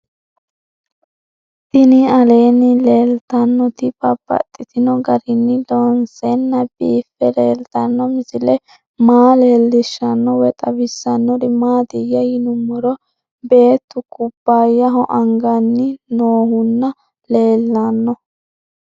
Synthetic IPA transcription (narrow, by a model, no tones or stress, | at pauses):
t̪ɪnɪɐleːnːɪle̞ːlt̪ɐnːɔt̪ɪbɐb̥ɐ̰t̪ʼːɪt̪ɪnɔɡɐɾɪnːɪlɔnsɛnːɐbiːfːɛleːlt̪ɐnːɔmɪsɪlɛ | maːle̞ːlːɪʃːɐnːɔwɛt̪ʼɐbɪsːɐnːɔdɪmaːd̪ɪjɐjɪnʊmːɔɾɔ | be̞ːt̪ːʊkʼʊbːajɐɦɔʔɐŋɡɐnːɪnoːhʊnːɐ | le̞ːlːɐnːɔ